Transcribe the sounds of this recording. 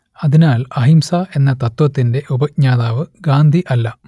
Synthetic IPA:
ɐðinaːlɐɦimsaʔe̞nːɐt̪ɐt̪ːʋɐt̪ːinde̞ʔubɐkɲaːðaːʋɨɡaːnd̪ʱiʔɐlːɐ

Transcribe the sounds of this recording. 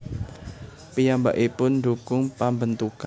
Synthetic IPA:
pijamba̰ʔipʊndukʊŋpambənt̪uk

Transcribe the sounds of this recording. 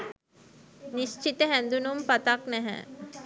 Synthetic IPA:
nist͡ʃit̪əɦænd̪unumpat̪aknɛɦɛ̰

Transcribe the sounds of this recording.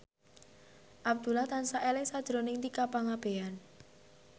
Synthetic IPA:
ʔab̚d̪̥ṳlaht̪ansaʔelɪŋsad̥ʒ̥ɾo̤nɪŋt̪ikapaŋab̥e̤an

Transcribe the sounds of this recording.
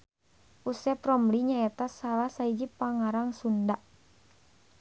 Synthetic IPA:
ʔusɛpɾɔmliɲaɛt̪asalahsaid͡ʒipaŋaɾaŋsundaʔ

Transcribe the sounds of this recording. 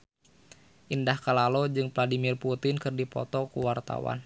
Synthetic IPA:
ʔindahkalalɔd͡ʒɨŋvladimirput̪ɪnkɨrdipɔ̰t̪ɔkuwart̪a̰wa̰n

